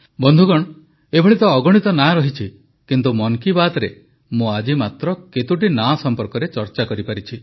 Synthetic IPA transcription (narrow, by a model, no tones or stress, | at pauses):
bɔnd̪ʱuɡɔɽ̃ | ebʱɔɭit̪ɔːɡɔɽ̃it̪ɔnaɾɔɦit͡ʃʰi | kint̪umɔŋkibat̪ɔɾe | mũad͡ʒimat̪ɾɔket̪uʈinasɔmpɔɾkɔɾet͡ʃɔɾt͡ʃakɔɾipaɾit͡ʃʰi